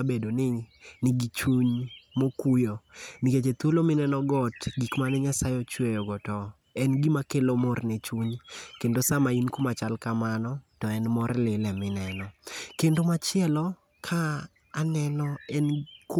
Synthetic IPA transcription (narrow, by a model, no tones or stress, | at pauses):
abedonɪnɪɡit͡ʃuɲmokujoniket͡ʃet̪wolomɪnɛnɔɡɔtɡikmanɪɲasajɔt͡ʃwejɔɡɔtɔ | ɛnɡimakelomɔrnɛt͡ʃuɲkendosamainkumat͡ʃalkamanɔtɔɛnmɔrlɪlɛmɪnɛnɔkendomat͡ʃɪɛlɔ | kʰaː | nɛnɔɛnk